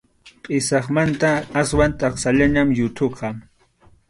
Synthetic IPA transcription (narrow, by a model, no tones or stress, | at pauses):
qʼɪsɑχmant̪aːswant̪ʼɑχsaʎaɲamjʊt̪ʰoqʰɑ